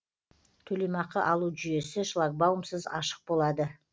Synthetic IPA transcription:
t̪ʰɵlejmɑqəʔɑlˠuʒʏje̞sɪʃlˠɑk̚bawəmsəzɑ̰ʃə̥q̚bo̞lˠɑd̪ə

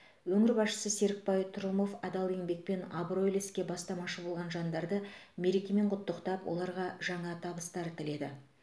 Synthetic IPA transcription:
wɵŋɪɾbɑsʃə̥səse̞ɾɪk̚pɑjt̪ʰʊɾmo̞fɑd̪ɑlˠe̞ŋbe̞k̚pe̞nabro̞jleskʲe̞bɑst̪ɑmɑʃəbolˠʁɑnʒɑnd̪ɑɾd̪əme̞ɾe̞kʲe̞me̞ɴqʰʊt̪ːəqt̪ɑpwʔo̞̰lˠɑɾʁɑʒɑɴɑt̪ʰɑbəst̪ɑɾt̪ʰɪle̞d̪ɪ̰

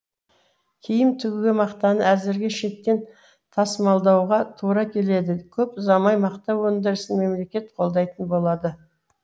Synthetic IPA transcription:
kʲʰejɪmt̪ʰʏɡʲɡʲemɑqt̪ɑnəæzɪɾɡʲeʃe̞t̪ːe̞n | t̪ʰɑsmɑlˠd̪ɑwʁɑt̪ʰuɾɑkʲʰe̞le̞d̪ɪkʲʰɵpʊzɑmɑjmɑqt̪ɑwɵnd̪ɪɾəsənme̞mle̞kʲe̞t̪qʰo̞lˠd̪ɑjt̪ənbo̞lˠɑd̪ə

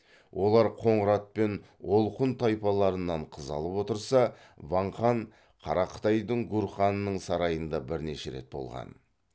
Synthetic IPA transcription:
wʔo̞lˠɑɾqʰo̞ɴəɾɑt̪̚pe̞n | olˠqənt̪ʰɑjpɑlˠɑɾənːɑɴqʰəzɑ̰lˠəpwo̞t̪əɾsɑ | vɑɴχɑɴ | qʰɑ̰ɾɑqʰə̥t̪ɑjd̪əɴɡuɾχɑnːəɴsɑɾɑjənd̪ɑbɪɾne̞ʃe̞̰ɾe̞̰t̪̚bo̞̰lˠʁɑ̰n

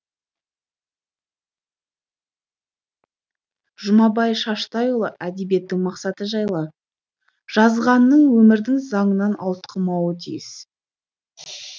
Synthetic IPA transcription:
ʒʊmɑbɑjʃɑʃt̪ɑjolˠəʔæd̪ebje̞t̪ːɪŋmɑqsɑt̪əʒɑjlˠɑ | ʒ̥ɑzʁɑnːəɴwɵmɪɾd̪ɪŋzɑɴənɑnɑ̰w̪ˠət̪qʰəmɑwət̪ʰḭjɪs

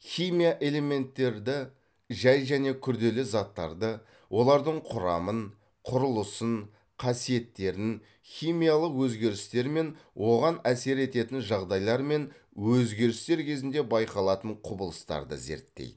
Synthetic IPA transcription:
χʲijmijaʔe̞le̞me̞nt̪ːe̞ɾd̪ɪ | ʒɑjʒæne̞kʲʰʏɾd̪e̞lɪzɑt̪ːɑ̰ɾd̪ə | wʔo̞lˠɑɾd̪əɴqʰʊɾɑmən | qʰʊɾʊlˠəsən | qʰɑsije̞t̪ːe̞ɾɪn | χʲijmijalˠəqwɵzɡʲe̞ɾɪst̪e̞ɾme̞nwʔo̞ʁɑnæse̞ɾe̞t̪e̞t̪ɪnʒɑʁd̪ɑjlˠɑɾme̞n | wɵzɡʲe̞ɾɪst̪e̞ɾkʲʰe̞zɪnd̪e̞bɑjqɑlˠɑt̪əɴqʰʊbəlˠəst̪ɑ̰ɾd̪ə̰ze̞̰ɾt̪ːḛjd̪ɪ

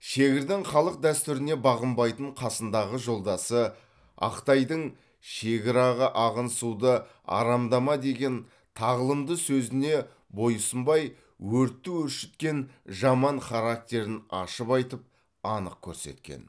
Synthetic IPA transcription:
ʃe̞ɡʲɪɾd̪ɪŋχɑlˠəq̚d̪æst̪ʏɾɪne̞bɑʁəmbɑjt̪əɴqʰɑsənd̪ɑʁəʒo̞lˠd̪ɑsə | ɑ̰qt̪ɑjd̪əɴ | ʃe̞ɡʲɪɾɑʁɑʔɑʁənsud̪ə | ɑ̰ɾɑmd̪ɑmɑd̪e̞ɡʲe̞n | t̪ʰɑʁəlˠəmd̪əsɵzɪne̞ | bo̞jəsəmbɑj | wɵɾt̪ːuwʏɾʃɪt̪kʲe̞nʒɑmɑɴχɑɾak̚t̪ʲe̞ɾɪnɑ̰ʃəpɑjt̪əp̚ | ɑnəq̚kʲʰɵ̰ɾse̞̰t̪kʲḛn

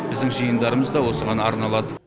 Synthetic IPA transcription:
bɪzd̪ɪŋʒəjənd̪ɑɾəməzd̪ɑwo̞səʁɑnɑɾnɑlˠɑd̪ə

